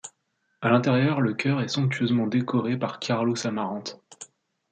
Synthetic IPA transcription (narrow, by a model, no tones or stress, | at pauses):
alɛ̃t̪ɛʁjœʁləkʲœʁɛsɔ̃k̚t̪ʰɥøzmɑ̃d̪ekɔʁepaʁkʰaʁlosamaʁɑ̃t̪